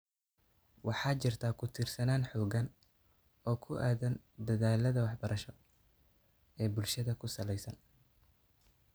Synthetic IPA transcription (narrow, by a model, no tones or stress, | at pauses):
wʔɑħɑːt͡ʃɪrt̪ʰaːkʰʊt̪ʰiːrsɐnaːnħɔːɣɐn | ɔːkʰʊʔaːðɐn | d̪ɐðaːlɐðɐwɑħbɐɾʔɐʃɔ | ɛːbʊlʃɐðɐkʰʊsɐlɛjsɐn